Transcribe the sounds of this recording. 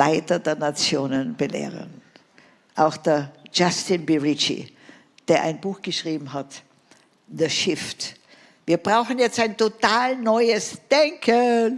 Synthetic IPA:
laɪtɐdeːɐnat͡sjoːnənb̥əlḛːʁə̰n | ʔaʊxd̥ɐɐd͡ʒastɪnbiʁit͡ʃḭ | d̥eːɐʔa̰ɪnbuːxɡ̥əʃʁ̥iːbm̩ɦat | dəʃɪft | viːɐbʁaʊxn̩jɛt͡staɪntotaːlnɔʏəsd̥ɛŋkʰə

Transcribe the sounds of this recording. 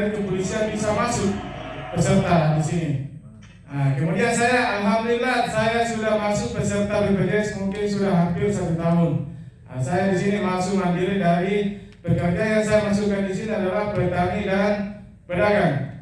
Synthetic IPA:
nit̪upolisiabisamasʊk̚pərsərt̪adisini | akəmudiansajaʔːlɦamduilːahsajasudahmasʊk̚bərsərt̪abəpərɡɾɛsmuŋkɪnsudahɦampɪrsat̪ut̪aɦʊn | a̰sajadisinimasʊk̚mandilɪdaɾibərkərd͡ʒajaŋsajamasukːandisiniadalahpəɾət̪aŋidan | pədaɡaŋ

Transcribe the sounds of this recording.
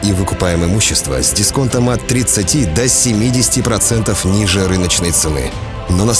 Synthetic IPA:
ivɨkʊpajɪmɨmuɕːɪst̪və̰zʲdʲɪsko̞nt̪əmɐt̪ːɾʲɪt̪sɨtʲid̪əsʲɪmʲidʲɪsʲɪ̥tʲɪpɾɐt̪sɛnt̪əfnʲiʐɨɾɨnət͡ɕnəjt̪sɨnɨ̰ | nonɐs

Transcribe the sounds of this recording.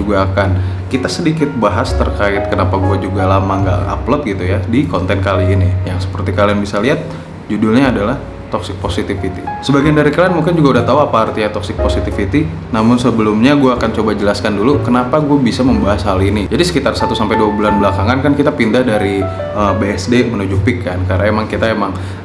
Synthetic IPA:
uɡaːkan | kit̪asədikɪt̪̚baɦast̪ə̰rkaɪt̪̚kənapaɡuad͡ʒuɡalamaŋɡa̰ʔa̰plɔt̪̚ɡit̪ujadikɔnt̪ɛnkaliːnijaŋsə̥pərt̪ikalianbisaliɦat̪̚ | d͡ʒudʊlɲaːdalah | t̪ɔksɪk̚posit̪ifit̪isəbaɡiandaɾikalanmuŋkɪnd͡ʒuɡaudaht̪auapaɦart̪iɲat̪ɔksɪk̚posit̪ifit̪i | namʊnsəbəlʊmɲaɡuaːkant͡ʃobad͡ʒəlaskandulukənapaɡuabisaməmbaɦasɦalinid͡ʒadisə̥kit̪arsat̪usampajduabulanbəlakaŋankankit̪apindahdaɾi | əbeɛsdemənud͡ʒupikːankarnaemaŋkit̪aemaŋ

